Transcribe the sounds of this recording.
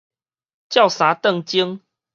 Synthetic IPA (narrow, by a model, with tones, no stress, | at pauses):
t͡ɕja˥˨ʊsa˨˦t̪ə˥˨ŋt͡ɕi˦ŋ